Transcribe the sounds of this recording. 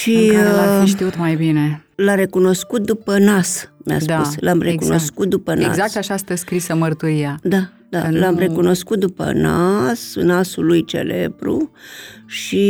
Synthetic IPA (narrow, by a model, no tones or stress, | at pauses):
ʃiaiʃt̪iut̪majbinelaɾe̞kuno̞skut̪̚d̪upənasma̰sp̪usslamrekuno̞skut̪̚d̪upəna̰zak̚t̪aʃast̪əskɾisəmərt̪uɾiad̪a | d̪̥a̰lamre̞kuno̞skut̪̚d̪upə̰nasnasulujt͡ʃe̞̰le̞̰bɾṵ | ʃi